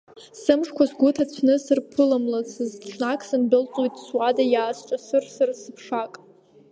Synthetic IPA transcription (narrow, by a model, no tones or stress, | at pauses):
sɨmʂkʷʰazɡʷʊtʰat͡ɕʷʰnɨsɨrpʰɨlamlasɨzt͡ʃʷʰnakʰʼsɨnbɨlt͡sʼojtʼswadajaːst͡ʃʷʼasɨrsɨrsɨpʰʂakʼ